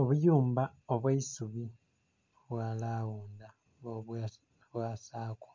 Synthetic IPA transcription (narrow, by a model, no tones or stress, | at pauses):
o̞βujuːmbaoβwaisuβi | βwalawuːnda | oβ | βwaːsaːku̥